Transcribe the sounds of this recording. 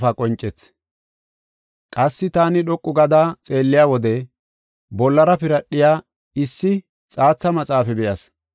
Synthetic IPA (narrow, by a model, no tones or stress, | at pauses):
fɐkʼɔnt͡ʃʼːɛt͡s | kʼɐsːɪt̪aːnɪɗɔkʼːʊɡɐd̪at͡sʼe̞ːlːɪjaːwɔd̪ɛ | bɔlːɐɾɐpɪɾɐɗːɪjaː | ɪsːɪ | t͡sʼaːt͡sːɐmɐt͡sʼaːfɛbɛjɐs